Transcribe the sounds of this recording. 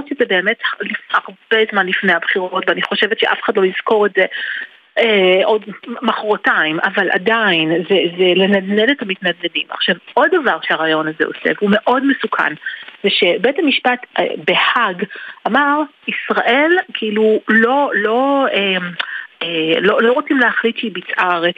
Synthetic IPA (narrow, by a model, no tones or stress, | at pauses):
otʃezebe̞ːme̞tlifaʁb̥ezmanlifnejabχiʁo̞tveaniχo̞ʃevetʃeʔa̰feχadlo̞jiz̥ko̞ʁetze | eʔo̞dmaχoʁotaima̰valʔa̰dainzezele̞nadneletamitnadedima̰χʃavʔo̞davaʁʃeaʁajo̞naze̞̰o̞̰sḛvume̞ʔo̞dmesukʰa̰nveʃe̞bethamiʃpatbe̞haɡamaʁ | isʁaʔe̞lkʰiilulo̞lo̞emelo̞lo̞ʁot͡simleaχlitʃibit͡sʔaʁet